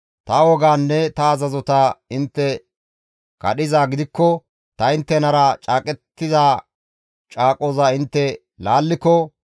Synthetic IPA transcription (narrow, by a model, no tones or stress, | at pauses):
t̪ɐwɔɡaːnːɛt̪ɐːzɐzɔt̪ɐɪnt̪ːɛ | kɐ̰ɗɪzaːɡɪd̪ɪkːɔ | t̪ɐɪnt̪ːɛnɐɾɐt͡ʃʼaːkʼɛt̪ːɪzaː | t͡ʃʼaːkʼoːzɐɪnt̪ːɛ | laːlːɪkːɔ